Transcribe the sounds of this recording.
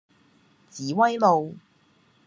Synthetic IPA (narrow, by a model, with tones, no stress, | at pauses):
t͡siː˨˥wɐ˥jlo˨w